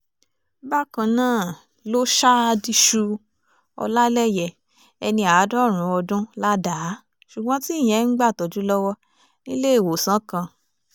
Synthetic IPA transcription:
ba˦kã˧nãː˦˨ | lo˦ʃa˦a˧di˧ʃu˧ | ɔ̰˧la˦lɛ˦˨jɛ˨ | ɛ˧nĩ˧a˨˦dɔ˦˨ɾ̃ũ˨˧˦ɔ˧dũ˦la˦da˨˦ | ʃu˨ɡ͡bɔ̃˦ti˦˨j̃ɛ̃˨˦ŋ̩˦ɡ͡ba˦˨tɔ˨d͡ʒu˨˦lɔ˦wɔ˦ | nĩ˦le˦˨wo˨sã˨˦kã˧

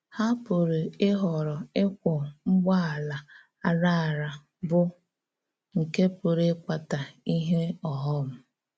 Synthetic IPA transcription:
ha˦pʊ˨ɾe˨ɪ˦ɦɔ˨ɾɔ˨ɪ˦kʷʊ˨ŋ͡m̩˦ɡ͡ba˦a˨la˨ | a˦ɾa˦a˨ɾa˨ | bʊ˦ | ŋ̩˨ke˦pʊ˨ɾe˦kʷa˨ta˨i˦ɦe˦ɔ˨ɦɔ˦m̩˦˨

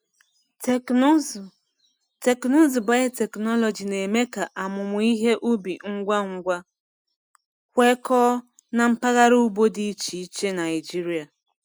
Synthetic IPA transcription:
te˨kno˦zʊ˨ba˦ɪ˦te˨knɔ˦lɔ˨d͡ʒi˨ne˨me˦ka˨ʔa˨mʊ˨mʊ˨i˦ɦe˦ʔu˦bi˨ŋ̩˦ɡʷa˦ŋ̩˦ɡʷa˦ | kʷe˦kɔː˦ | na˨m̩˦pa˦ɣa˦ɾu˦u˦bo˦di˦t͡ʃi˨i˦t͡ʃe˦na˨ɪ˨d͡ʒi˦ɾi˦a˨

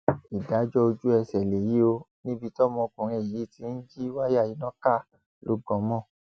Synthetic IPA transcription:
i˨da˨˦d͡ʒɔ˦o˧d͡ʒu˦ɛ˧sɛ˨le˨ji˨˦o˧ | nĩ˦bi˧tɔ˦mɔ̃˧kũ˨ɾ̃ĩ˧˨i˨˦˨ti˧˦n̩˦d͡ʒi˦wa˦ja˦˨ji˨˦nɔ̃˦ka˦˨ | lo˦ɡɔ̃˧˦mɔ̃˦˨

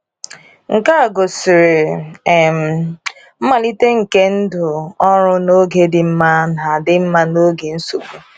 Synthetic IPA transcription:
ŋ̩˨ka˦˨ɡo˨sɪ˨ɾɪ˨ | m̩˨ | m̩˦ma˨li˦te˦ŋ̩˨ke˦n̩˦dʊ˨ɔ˦ɾʊ˦no˦ɡe˨dɪ˨m̩˦ma˦na˨dɪ˦m̩˦ma˦no˦ɡe˨n̩˦su˨ku˨

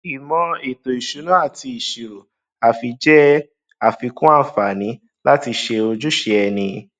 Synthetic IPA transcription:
i˨mɔ̃˧e˨to˨i˨ʃu˨˦nũ˦a˦˨ti˧i˨ʃe˨o˨ | a˨fi˧d͡ʒɛ˦ | a˦˨fi˨˧kũ˦a˦˨fa˨nĩ˨˦ | la˦ti˧ʃe˧o˧d͡ʒu˦ʃe˧ɛ˧nĩ˧

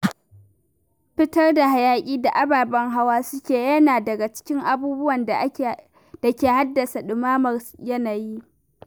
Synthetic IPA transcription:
ɸɪ˦tɐ˦rda˨ɦa˨jaː˦kʲʼiː˦da˨ʔa˦baː˨bɐ˦ŋɦa˦waː˦sʊ˦kʲeː˨jɐ˦naː˨dɐ˨ɡa˨t͡ʃɪ̥˦kʲɪ˦ŋʔa˨buː˦bʊ˦wɐ˨n | d̥a˨kʲeː˨ha˦dːɐ˨sa˨ɗʊ˨maː˦mɐ˨rjɐ˦na˨jiː˦

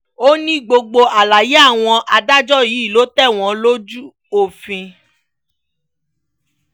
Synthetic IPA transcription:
o˦nĩ˦ɡ͡bo˧ɡ͡bo˧ʔa˨la˨je˨˦a˦˨w̃ɔ̃˧ʔa˧da˦d͡ʒɔ˦ji˨˦i˦˨lo˨˦tɛ˦˨w̃ɔ̃˨˦lo˦d͡ʒu˦ | o˦˨fĩ˧

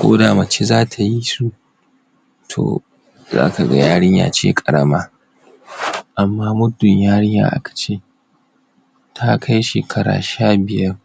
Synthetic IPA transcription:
kʷo̰ː˦daː˨mɐ˨t͡ʃe˦zaː˦tʰa˨ji˦su˦ | tʰo̰ː˨ | za̰ː˦ka˨ɡɐ̰˦jaː˦ɽɪ˦ɲja̰ː˨t͡ʃḛː˦kʼɐ˨ɽɐ˦maː˦ | ʔa˨mːaː˦mʊ˦dʊ˨ɲjaː˦ɽɪ˦jja̰ː˦ʔa̰˦kḁ˨t͡ʃeː˦ | tʰa˦kʰa˦jʃe˨kʰɐ˦ɾa̰ː˨ʃaː˦bɪ˨jɐ˦r

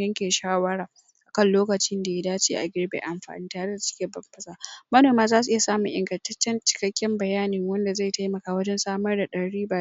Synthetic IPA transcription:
jɐ˦ŋkʲeː˨ʃaː˦wɐ˦ɽaː˨ | ʔa˨kɐ˦nloː˦kɐ˨t͡ʃɪ˦nda˨ja˦daː˦t͡ʃḛː˦˨ʔa̰˨ɡʲɪ˦rbḛː˨ʔa˨mɸa̰ː˨nɪ˦ntaː˨ɾe˦da˨sɪ̥˦kʲeː˨bɐ˨mɸɐ˦saː˨mɐ˦noː˨maː˦zaː˦su˨ʔɪ˦ja˨saː˦mu˨ʔɪ̰˨ŋɡɐ˨ntɐ˦t͡ʃːɛ˦nt͡ʃɪ̥˦kɐ˦kʲːɪ˦mbɐ˨jaː˦nɪ˨ŋwɐ˦nda˨za˦˨jtʰa˦jmɐ˨kaː˦wɐ˦d͡ʒɛ˦nsaː˦mɐ˦rda˨ɗɐ˨ɽiː˦baː˨˦

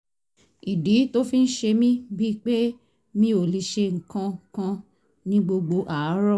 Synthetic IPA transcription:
i˨di˨˦to˦fi˦n̩˦ʃe˧mĩ˦bi˦k͡pe˦ | mĩ˧o˨li˧ʃe˧ŋ̩˨kã˧kã˧ | nĩ˦ɡ͡bo˧ɡ͡bo˧˦ʔa˦˨a˨˦ɾɔ˦˨

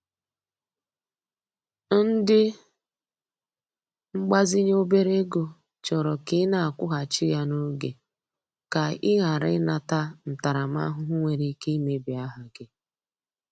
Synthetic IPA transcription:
n̩˦dɪ˦ | ŋ͡m̩˦ɡ͡ba˦zɪ˦ɲ˦o˦be˦ɾe˦ɡo˨ | t͡ʃɔ˨ɾɔ˨kɪ˦na˨a˨kʷʊ˦ɦa˨t͡ʃɪ˦ja˦no˦ɡḛ˨ | ka˨ɪ˦ɣa˨ɾɪ˦ɪ˦na˦ta˦n̩˨ta˨ɾa˨m˦a̰˦ɦʊ˦ɦʊ˦ŋʷe˨ɾi˦i˦ke˦i˦me˦bi˨a˦ɦa˨ɡɪ˦

